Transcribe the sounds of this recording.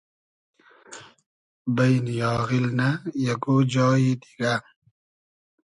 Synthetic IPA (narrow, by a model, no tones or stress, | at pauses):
bɐjnjɔːɣilnajɐɡod͡ʑɔːjid̪iɡa